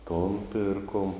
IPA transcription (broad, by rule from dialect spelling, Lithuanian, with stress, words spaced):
toːn ˈpʲɪrkoːm